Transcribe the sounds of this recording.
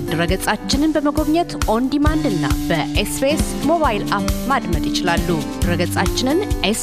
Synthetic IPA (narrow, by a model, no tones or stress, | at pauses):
d̪ɨɾəɡət͡sʼat͡ʃːɪnɨnbəməɡo̞βɲɛt̪ʔond̪imand̪ɨnːa̰bəʔespes | mo̞βajlapmad̪məd̪jɪt͡ʃɪlalːu̥ | ɾəɡət͡sʼat͡ʃːɪnɨnʔes